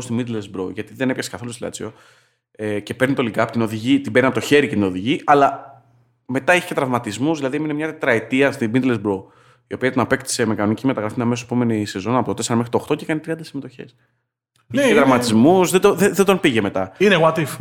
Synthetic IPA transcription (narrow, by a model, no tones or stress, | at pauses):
st̪imid̪lezbɾoʝɐt̪iðe̞nepçɐse̥kɐθo̞lust̪lɐ̰t͡sio̞ | ece̞pe̞ɾnit̪o̞likɐːpot̪ino̞ðiʝit̪imbeɾniɐpot̪çe̞ɾice̞t̪ino̞ðiʝiʔɐlɐ | me̞t̪ɐiçe̥cet̪ɾɐvmɐt̪izmuzðilɐðieminemɲɐt̪et̪ɾɐet̪iɐst̪imid̪lesbɾo̞ | io̞piɐt̪inɐpe̞kt̪i̥se̞mekɐno̞nicime̞t̪ɐɣɾɐfinɐmesosepo̞me̞nise̞zo̞nɐpo̞t̪ot̪eseɾɐmexɾit̪oxt̪o̞ce̞kɐnit̪ɾiɐnd̪ɐsimet̪oçe̞̰s | ieeɾɐvmɐt̪izmuzðed̪oðeðe̞d̪o̞npiʝeme̞t̪ɐineɣwat̪if